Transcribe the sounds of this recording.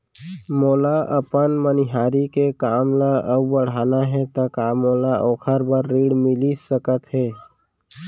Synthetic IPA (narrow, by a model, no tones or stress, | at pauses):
moːlaʔəpənmənɪɦaːɾikekaːmlaʔəbbəɽ̤aːnaɦɛt̪əkaːmoːlaʔoːkʰəɾbəɾːiːɽmɪlisəkət̪ɦɛː